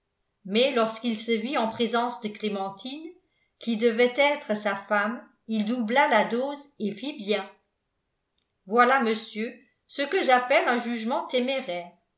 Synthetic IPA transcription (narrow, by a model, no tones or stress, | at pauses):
mɛlɔʁskilsəviɑ̃pχezɑ̃sd̪əklemɑ̃t̪ʰin | kʲid̪əvɛt̪ɛt̪χəsafam | ild̪ublalad̪oːzefibjɛ̃ | vwalaməsjø | səkəʒapɛlœ̃ʒyʒmɑ̃t̪emeʁɛːʁ